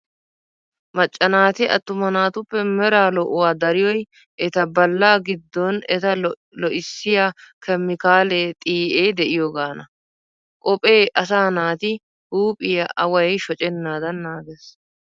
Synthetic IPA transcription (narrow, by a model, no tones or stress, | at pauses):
mɐt͡ʃʼːɐnaːt̪ɪʔɐ̰t̪ːʊmɐnaːt̪ʊpːɛmɛɾaːlɔʔʊwaːd̪ɐɾɪjɔj | ʔɛt̪ɐbɐlːaːɡɪd̪ːɔnɛt̪ɐ | lɔʔɪsːɪjakʰɛmːɪkaːleːt̪ʼiːʔeːd̪ɛʔɪjoːɡaːnɐ | kʼɔpʼe̞ːʔɐs̬aːnaːt̪ɪ | huːpʼɪjɐʔɐwɐjʃɔt͡ʃʼɛnːaːd̪ɐnːaːɡes